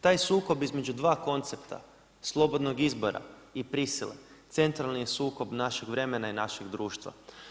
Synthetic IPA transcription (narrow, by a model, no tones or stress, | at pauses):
t̪aːjsuːko̞bizme̞d͡ʑud̪ʋaːko̞nt̪se̞pt̪ʰa̰ | slˠo̞bo̞d̪noɡizbo̞ɾa̰ | ipɾisilḛ | t̪se̞nt̪ɾalnijesuːko̞bnaʃeɡʋɾe̞menainaʃeɡd̪ɾuːʃt̪ʋa̰